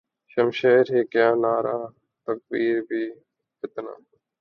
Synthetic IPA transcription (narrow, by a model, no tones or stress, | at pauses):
ʃəmʃeːɾɦeːkjaːnaːɾaː | t̪ək̚biːɾbʱiː | fɪt̪na̰ː